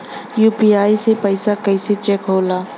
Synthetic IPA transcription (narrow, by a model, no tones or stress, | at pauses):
juːpiaːisepəɪsakɐɪset͡ʃɛkɦoːlaː